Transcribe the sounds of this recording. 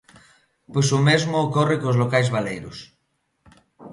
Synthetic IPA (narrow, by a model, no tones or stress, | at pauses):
pojsʊmezmʊːkɔrɪkozlokajzβalejɾʊ̰s